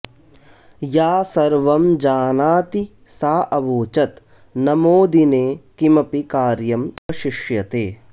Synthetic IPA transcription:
jaːsɐɾʋɐmd͡ʒaːnaːt̪i | saːʔɐʋoːt͡ʃɐt̪ | nɐmoːd̪ineːkimɐpikaːɾjɐmkɐʃiʂjɐt̪eː

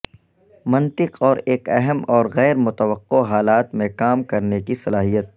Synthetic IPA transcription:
mɐ̃nt̪ɪqɔːɾeːkɛɦəmɔːɾɣɛːɾmʊt̪əwəqːoɦaːlaːt̪mẽkaːmkɐɾnekisɐlaːɦijət̪̚

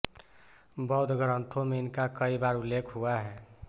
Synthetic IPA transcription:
bəɦd̪ɡʱəɾənt̪ʰomeɪnkakəibaɾulːekʰɦuaɦɛ

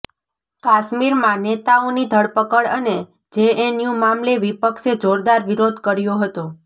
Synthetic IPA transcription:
kaʃmiɾmãnet̪aonid̪ʱəɽpəkəɭəne | d͡ʒeenjumamleʋipəkʃed͡ʒoɾd̪aɾʋiɾod̪ʱkəɾjoɦət̪o

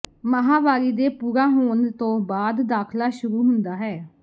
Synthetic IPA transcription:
məɦaːʋaːɾiːd̪eːpuːɾãːɦoːnt̪õːbaːd̪ːaːkʰlaːʃʊɾuːɦʊnd̪aːɦɛː

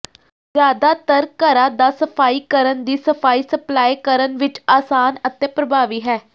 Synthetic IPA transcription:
zjaːd̪aːt̪əɾkəɾãːd̪aːsəpʰaːiːkəɾənd̪iːsəpʰaːiːsəplaːikəɾənʋɪt͡ʃaːsaːnət̪eːpɾəbaːʋiːɦɛː

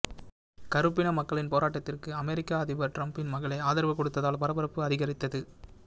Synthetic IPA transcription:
kɐɾɯpːɪnɐmɐkːɐɭɪnpoːɾaːʈːɐt̪ːɪrkɯɐmɛɾɪkːaːɐðɪʋɐɾʈɾɐmpɪnmɐɣɐɭɐɪaːðɐɾɐʋɐkːɔɽɯt̪ːɐðaːlpɐɾɐbɐɾɐpːɯɐðɪɣɐɾɪt̪ːɐðɯ

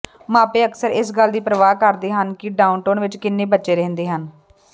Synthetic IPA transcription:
mãːpeːəksəɾɪsɡəld̪iːpɾəʋaːkəɾd̪eːɦənkɪɖaːʊnʈoːnʋɪt͡ʃkɪnːeːbətːʃeːɾɛ̃ːnd̪eːɦən

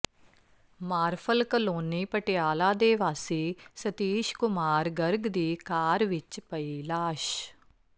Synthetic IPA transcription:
maːɾpʰəlkəloːniːpəʈɪjaːlaːd̪eːʋaːsiːsət̪iːʃkʊmaːɾɡəɾɡd̪iːkaːɾʋɪt͡ʃpəiːlaːʃ

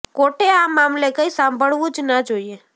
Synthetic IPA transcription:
koːʈeaːmːaːmlekəisãːmbʱəɭʋũd͡ʒnad͡ʒoːie

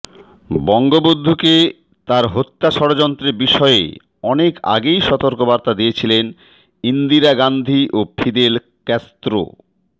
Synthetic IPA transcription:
bɔŋɡobod̪ʱːuke | t̪aɾɦot̪ːaʃɔɾod͡ʑɔnt̪ɾeɾbiʃɔeḛ | ɔneka̰ɡejʃɔt̪oɾkobaɾt̪ad̪ijet͡ɕʰilen | ind̪iɾaɡand̪ʱiʔopʰid̪el | kɛst̪ɾo̰

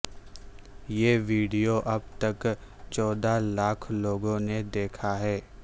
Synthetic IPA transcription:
jeːʋiːɖijoʔɐbt̪ɐk | t͡ʃɔːd̪alaːkʰloːɡõned̪eːkʰaɦɛː

